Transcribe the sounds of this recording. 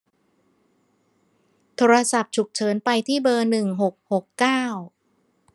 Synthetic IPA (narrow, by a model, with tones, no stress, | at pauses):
t̪ʰoː˧ɾa˧sa˨˩p̚t͡ɕʰu˨˩k̚t͡ɕʰɤː˩˦npa˧jt̪ʰiː˥˩bɤː˧nɯ˨˩ŋɦo˨˩k̚ho˨˩kːaː˥˩w